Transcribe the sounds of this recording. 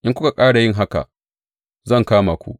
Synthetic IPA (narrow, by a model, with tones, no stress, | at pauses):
ʔɪ˦kʷʊ˦ka˨kʼaː˦ɽa˨jɪ˦˨ŋɦa˦ka̰˨ | zɐ˦˨ŋkaː˦maː˨kʷṵ˦ʔ